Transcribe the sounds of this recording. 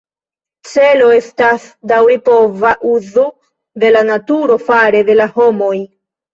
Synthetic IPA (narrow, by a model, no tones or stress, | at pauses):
t͡se̞lo̞e̞stasdawipo̞vaʔuzo | d̪e̞lanatuɾo̞faɾe̞de̞laho̞mo̞j